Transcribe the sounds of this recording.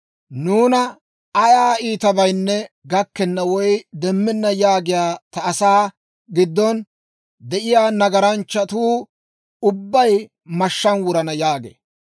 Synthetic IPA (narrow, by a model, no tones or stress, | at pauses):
nuːnɐ | ɐjaːiːt̪ɐbɐjnːɛ | ɡɐkːɛnːɐwɔjd̪ɛmːɪnːɐjaːɡɪjaːt̪ɐːsaː | ɡɪd̪ːɔn | d̪ɛʔɪjaːnɐɡɐɾɐnt͡ʃːɐt̪uː | ʊbːɐj | mɐʃːɐnwʊɾɐnɐjaːɡḛː